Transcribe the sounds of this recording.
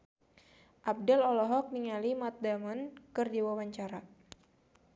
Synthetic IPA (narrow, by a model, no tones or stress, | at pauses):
ʔab̚dɛlɔlɔɦɔk̚niŋalimat̪̚damənkɨrd͡ʒiwawaɲt͡ʃaɾa